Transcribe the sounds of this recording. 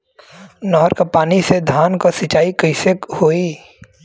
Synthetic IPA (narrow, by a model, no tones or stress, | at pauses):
nɔːɦɾkapaːnised̪ʱaːnkosɪt͡ʃaːikəɪsəkhoːiː